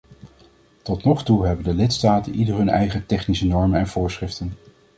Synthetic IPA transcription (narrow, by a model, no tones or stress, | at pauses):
tɔtnɔχtuɦɛbəndəlɪtstaːtənʔidərɦɵnɛ̰jχətɛχnisənɔɹmənɛnv̥ʊːɹsχrɪftən